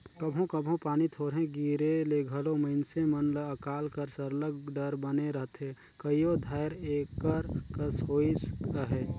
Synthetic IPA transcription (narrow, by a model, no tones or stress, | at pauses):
kəbʱõkəbʱõpaːnit̪ʰoːɾɦẽɡiɾeleɡʱəloməɪnsemənləəkaːlkəɾsəɾləɡɖəɾbəneɾəɦt̪ɦe | kəijod̪ʱaɪɾekːəɾkəsɦoːiskəɦeː